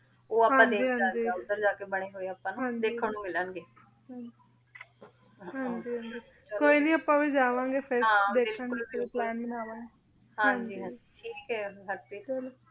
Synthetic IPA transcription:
oːaːɦããːɲd̪eːiːɦãd͡ʒiːd̪əɾd͡ʒaːkeːbəɽ̃eːɦoːeːaːpãːñɦãːɲd̪eːkʰːəɳũːmɪlaːnɡeː | ɦãɲd͡ʒi | ɦãːɲd͡ʒiːɦãɲd͡ʒiː | koːiːnĩːaːpːãːʋiːd͡ʒaːʋãːɡeːpʰɪɾd̪eːkʰãːŋɡeːkɪoplɛːnməmaːʋãːɡe | ɦaɦɲd͡ʒiːɦãiːiʈʰiːkɦɛːɡəʈbiʊl

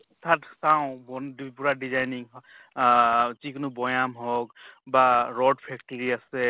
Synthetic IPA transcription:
tʰatsaw̃bɔndpuɹadizajniŋ | ziknʊbɔjamɦɔkbaɹɔdpʰɛk̚tɔɹiasɛ

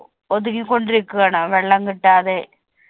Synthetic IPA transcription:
ɔðɯkːĩkɔɳɖɪɾɯkːɯɐnãːʋɛɭːɐŋɡɪʈːaːðeː

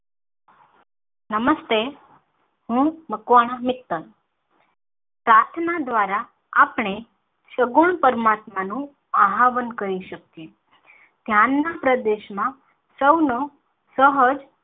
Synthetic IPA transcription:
nəməst̪e | ɦũməkʋaɽ̃amɪkt̪ən | pɾat̪ʰnad̪ʋaɾa | apɳ̃e | ʃəɡuɳpəɾmat̪manũ | aɦaʋənkəɾiʃək̚ːũ | d̪̥ʱjanːapɾəd̪eʃmã | səwno | səɦəd͡ʒ

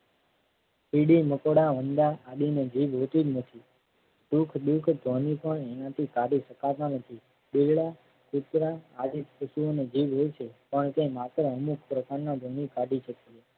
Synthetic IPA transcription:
piɽiməkoɽaʋənd̪aʔːɗined͡ʒibɦot̪id͡ʒnət̪ʰi | ɖukʰɗukʰd̪ʱonipəɳenãt̪ʰikaɖiʃəkat̪anət̪ʰi | ɓilɭa | kut̪ɾaad͡ʒit̪pəsuoned͡ʒibɦojt͡ʃʰepəɳt̪emat̪ɾəəmukpɾəkaɾnad̪ʱonikaɖit͡ʃʰet̪i

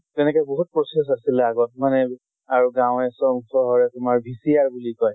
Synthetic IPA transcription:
tɛnɛkɛboɦut̚pɹɔses̬asilɛaɡɔtmanɛ | aɹuɡãw̃ɛsɔŋxɔɦɔɹɛtʊmaɹbʱisijaɹbulikɔj

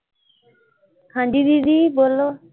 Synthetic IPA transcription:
kʰãɳɖid̪id̪ibolːo

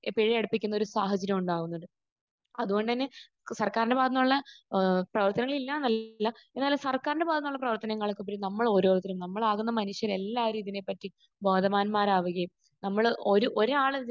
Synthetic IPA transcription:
peɻijɐɽupːikʲːunːɐo̞ɾusaːɦɐd͡ʑɐɾjɐmuɳɖaːɣunːuɳɖɨ | ɐðuɣo̞ɳɖɨt̪ɐnːe̞ | sɐrkaːɾindebaːd̪ɐnːuɭːɐprɐʋɐrt̪ɐnɐŋːɐɭilːaːnɐlːɐe̞nːaːlumsɐrkaːɾindebaːd̪ɐnːuɭːɐprɐʋɐrt̪ɐnɐŋːɐɭokːupːoɾinɐmːɐɭo̞ːɾo̞ːt̪ːɐɾumnɐmːɐɭaːɣunːɐmɐnuʂjɐɾe̞lːaːɾiːiðine̞pːɐtːi | boːd̪ʱɐmaːnmaːɾaːʋɐɣɐjum | nɐmːɐɭoɾuʔo̞ɾaːɭɨ

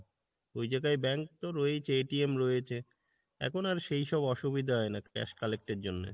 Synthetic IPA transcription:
ojd͡ʑaɡajbɛŋk̚t̪oɾɔet͡ɕʰeeʈiemɾɔjet͡ɕʰe | ɛ̰kʰonaɾʃejʃɔbɔʃubid̪ʱaɦɔenakɛ̰ʃkalek̚ʈeɾd͡ʑonːḛ

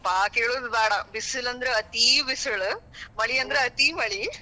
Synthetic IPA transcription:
paːkeːɭuːd̪baːɽɐbisɐlɐnd̪ɐɾeɐt̪ibisuɭmɐɭiɐnd̪ɐɾeɐt̪imɐɭi

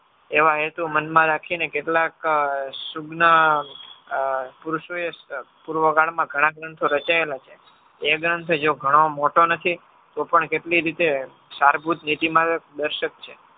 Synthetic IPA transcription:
eʋaɦet̪umənmãɾakʰinekeʈlaksuɡnə | puɾʃoe | puɾʋəɡaɭmãɡʱəɽ̃ãɡɾənt̪ʰoɾət͡ʃaelat͡ʃʰe | eɡɾənt̪ʰod͡ʒoɡʱəɽ̃omoʈonət̪ʰi | t̪opəɳkeʈliɾit̪e | saɾbʱut̪nit̪imãd̪əɾʃək̚t͡ʃʰe

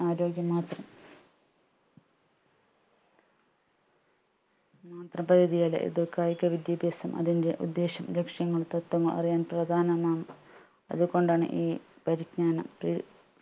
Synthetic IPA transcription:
aːɾo̞ːɡʲjɐmaːt̪rɐm | maːt̪rɐmpɐɾiðijaːlɐ̰ʔḭðɨkaːjikʲːɐʋid̪jɐbʱeːsɐmʔɐ̰ðinde̞ʔud̪ːe̞ːɕɐmlekʂjɐŋːɐɭt̪ɐt̪ːwɐŋːɐɭʔɐ̰rijaːnprɐd̪ʱaːnɐmaːm | ɐ̰ðuko̞ɳɖaːɳɨ̰ʔiːpɐɾiɡɲaːnɐmpri

